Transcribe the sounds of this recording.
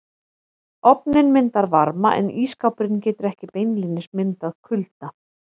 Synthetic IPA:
ɔpnɪnmɪnt̪aɾvaɾmaʔɛ̰niːskawpʏɾɪncɛːt̪ʏɾɛhcɪpejnlinɪsmɪnt̪aðkʰʏlt̪a

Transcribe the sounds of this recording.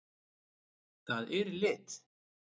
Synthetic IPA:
θaðɪɾlɪt̪

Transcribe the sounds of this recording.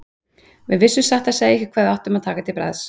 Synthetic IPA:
vɪðvɪsːʏmsaht̪aseːjɛhçcɪ̥kʰvaːðawht̪ʏmaðt̪ʰaːkat̪ʰɪlpɾa̰ðs

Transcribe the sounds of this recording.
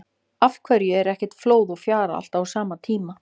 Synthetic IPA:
afkʰvɛɾjʏɛɾɛhcɛ̥t̪floːwðɔfjaːɾa̰a̰l̥t̪awsaːmat̪ʰiːma

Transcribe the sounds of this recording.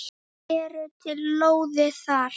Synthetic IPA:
ɛɾʏt̪ʰɪlːoːwðɪθaɾ

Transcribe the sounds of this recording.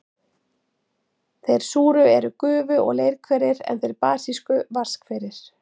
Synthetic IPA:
θejɾ̥suːɾʏɛɾʏkʏːvʏɔ̰ɣlejɾkʰvɛɾɪɾɛ̰nθejɾpaːsiskʏvar̥skfɪɾɪɾ̥

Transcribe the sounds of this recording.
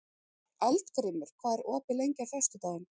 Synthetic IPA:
ɛlt̪kɾɪːmʏɾ̥kʰvaːɛɾɔːpɪlejɲcaɾ̥fœ̥st̪ʏt̪aːɣɪn

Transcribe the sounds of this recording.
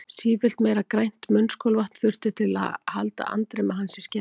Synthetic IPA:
siːvɪl̥t̪mejɾakɾajn̥t̪mʏnskʰɔlvaht̪n̥θʏr̥t̪ʏt̪ʰɪla̰ðha̰lt̪a̰a̰nt̪ɾɛmaɦansɪ̥scɛ

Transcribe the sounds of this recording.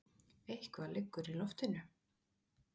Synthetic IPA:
ejhkvalɪkːʏɾilɔft̪ɪnʏ

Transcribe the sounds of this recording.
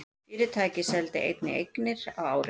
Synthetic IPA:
ɪːɾɪt̪ʰaːjcɪsɛlt̪ɪʔḛjt̪nɪʔejknɪɾ̥awaːwɾ

